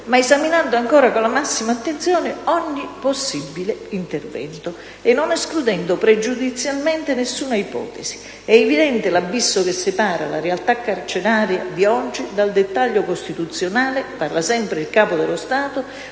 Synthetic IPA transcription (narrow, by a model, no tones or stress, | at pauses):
maezaminand̪ʊaŋkɔːɾakolamasːimaːt̪ːent̪sjɔːnɪɔɲːiposːibːileint̪ervɛ̰nt̪ʊ | ɪnːɔnɛsklud̪ɛnd̪ʊpɾed͡ʒud̪it̪sːjalmɛnt̪ɪnesːuːnaipɔ̰ːt̪ɛsi̥ | ɛɛvid̪ɛnt̪ɪlabːisːʊk̟ɪsːɪpaːɾa̰la̰ɾealt̪akːart͡ʃɪɾaːɾjad̪iɔd͡ʒːid̪ald̪et̪ːaʎːokost̪it̪ut̪sːjonaːlɪparlasɛmpɾɪilkaːpʊd̪ɪlʊst̪aːt̪ʊ